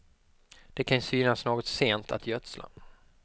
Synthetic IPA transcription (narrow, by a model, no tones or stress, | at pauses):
d̪̥ɛkʰansyːnasnoːɡɔt̪seːnt̪ʰa̰t̪jœt̪sla̰